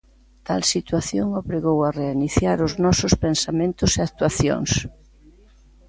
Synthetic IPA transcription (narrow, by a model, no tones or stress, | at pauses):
t̪a̰lsit̪waθjoŋoβɾeɣowareiniθjaɾʊznɔsʊspensamẽnt̪ʊseak̚t̪waθjo̰ŋs